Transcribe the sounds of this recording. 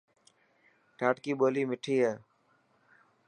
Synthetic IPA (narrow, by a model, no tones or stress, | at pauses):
ʈaːʈkiːɓoːliːmɪʈʰiːɦeː